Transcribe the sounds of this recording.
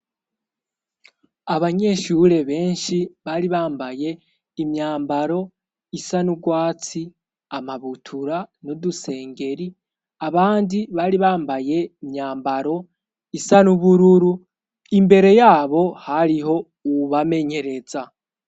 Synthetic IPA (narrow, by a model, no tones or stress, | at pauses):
aβaɲe̞ʃuɾe̞βe̞ːnʃiβaːɾiβaːmbaje̞ | imɲaːmbaɾo̞ | isanuɡwaːt͡si | amaβutʰuɾanuduse̞ːŋɡe̞ɾi | aβaːndiβaːɾiβaːmbaje̞imɲaːmbaɾo̞ | isanuβuɾuɾu | imbe̞ɾe̞jaːβo̞haɾiɦo̞ | uβame̞ɲe̞ɾe̞za